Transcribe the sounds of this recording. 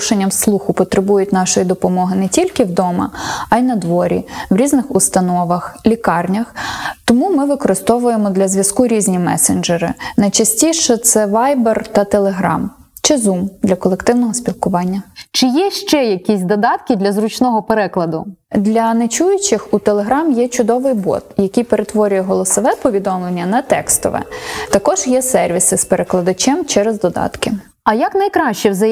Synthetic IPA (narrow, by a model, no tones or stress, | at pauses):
ʃenʲːɐmslˠuxʊpɔt̪ɾɪbujʊtʲnɑʃɔjid̪ɔpɔmɔɦɪnɛtʲilʲkɪwd̪ɔmɐ̰ɐjnɐd̪ʋɔɾʲḭwɾʲiznɪxust̪ɐnɔʋɐxlʲikɑrnʲɐxt̪ɔmumɪʋɪkɔɾɪst̪ɔʋʊjemɔd̪lʲɐzʲʋʲjɐskuɾʲizʲnʲimɛ̰send͡ʒeɾɪ̰nɐjt͡ʃɐsʲtʲiʃɛt̪sɛʋɑjbert̪ɐt̪elˠeɦɾɑ̰m | t͡ʃɪzumd̪lʲɐkɔlˠekt̪ɪwnɔɦɔsʲpʲilˠkʊʋɑnʲːɐt͡ʃɪjɛʃt͡ʃɛjɐkʲisʲd̪ɔd̪ɑt̪kʲɪd̪lʲɐzɾʊt͡ʃnɔɦɔpeɾɛklˠɐd̪ʊd̪lʲɐnet͡ʃujʊt͡ʃɪxut̪elˠeɦɾɑmjɛt͡ʃʊd̪ɔʋɪjbɔ̰t̪jɐkʲijpeɾet̪ʋɔɾʲʊjɛɦɔlˠɔsɔʋɛpɔʋʲid̪ɔmlˠenʲːɐnɐt̪ɛkst̪ɔ̰ʋɛ̰t̪ɐkɔʒjɛsɛrʋʲisɪspeɾeklˠɐd̪ɐt͡ʃɛmt͡ʃɛɾɛzd̪ɔd̪ɑ̰t̪kɪ | ɐjɐknɐjkɾɑʃt͡ʃɛzɐ